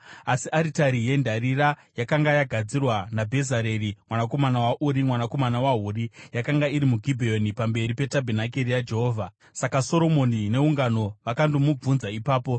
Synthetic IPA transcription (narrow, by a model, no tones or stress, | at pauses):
asiʔaɾitaɾije̞ndʱaɾirajakaŋɡajaɡʱad͡zirwanabʱe̞zaɾe̞rimwanako̞manawaʔuɾimwanako̞manawaɦuːrijakaŋɡaiɾimuɡʱibʱeonipambe̞ɾipe̞tabʱenak̬eɾijad͡ʒe̞ɦo̞ːvʱa | sakaso̞ɾo̞mo̞nine̞uŋɡano̞ʋakandomub͡vunzaipaːpo̞